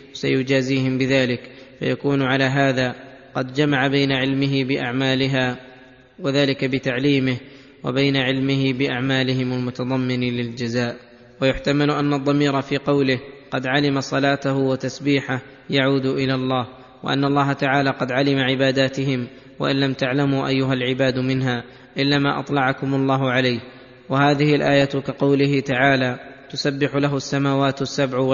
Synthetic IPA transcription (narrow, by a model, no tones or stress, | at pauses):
sa̰jʊd͡ʒaːziːhɪmbɪðaːlɪkfa̰jakuːnʕalaːɦaːðaː | qɑd̪d͡ʒamaʕabajnaʕɪlmɪɦɪbɪʔaʕmaːlɪɦaː | waðaːlɪkabɪt̪aʕliːmɪh | wa̰bajnaʕɪlmɪɦɪbɪʔaʕmaːlɪɦɪmalmʊt̪ɑðˤɑmːɪnlɪld͡ʒazaːʔ | wajʊħt̪amalʊʔanːɑd̪ˤːɑmiːɾɑfiːqɑwlɪhqɑd̪ʕalɪmasˤɑlaːt̪ahʊwat̪asbiːħah | jaʕuːd̪ʊʔɪlaːlˤːɑːh | wa̰ʔa̰nːɑlˤːɑːɦat̪aʕaːlaːqɑd̪ʕalɪmaʕɪbaːd̪aːt̪ɪhɪm | wa̰ʔɪnːamt̪aʕlamuːʔajːʊɦalʕɪbaːd̪mɪnɦaː | ʔɪlːaːmaːʔɑ̰t̪ˤlɑʕakʊmʊlˤːɑːɦʊʕalajh | wahaːðɪhɪlʔaːjat̪kaqɑwlɪɦɪt̪aʕaːlaːt̪ʊsabːɪħʊlaɦʊasːamaːwaːt̪sːabʕ